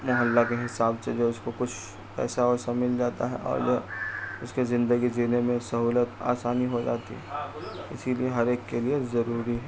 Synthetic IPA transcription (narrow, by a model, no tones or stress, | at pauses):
jɦɐlːakeɦɪsaːbsed͡ʒoʊskokʊt͡ʃʰ | pɛ̰ːsaɔsamɪld͡ʒaːt̪a̰ɦɛ̰ʔɔ̰ːɾj | ʊskezɪ̃nd̪əɡid͡ʒiːnemẽsɐɦuːlət̪a̰ːsaːniɦod͡ʒa̰ːt̪ḭɦɛɪ̰silieɦɐɾeːkːeliezɐɾuːɾiɦɛː